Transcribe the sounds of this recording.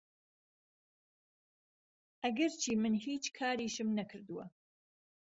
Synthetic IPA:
ʔɐɡɐɾt͡ʃʰiːmɨnhiːt͡ʃkʰaːɾiːʃɨmnɐkʰɨɾd̪uwɐ̰

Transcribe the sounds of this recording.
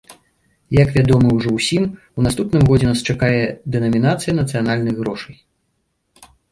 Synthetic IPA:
jɐkvʲad̪ɔmɨwʐɔwsʲim | unast̪upnɨmɣɔd͡zʲɛnast͡ʂakajɛd̪ɛnɐmʲin̪at̪sɨjɐnɐt̪sɨjanalʲnɨɣɣɾɔʂɐj

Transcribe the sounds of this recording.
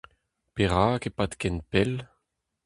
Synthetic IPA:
peʁakepat̪kɛnpɛl

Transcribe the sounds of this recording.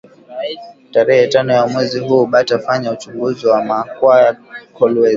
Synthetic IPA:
taɾɛhɛtanɔjamwɛziɦuːɓatafaɲaut͡ʃuŋɡuziwamakwajakʰɔlwɛz

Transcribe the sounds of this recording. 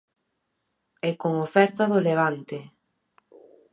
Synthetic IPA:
ɛkoŋofɛɾt̪aðoleβ̞ant̪e

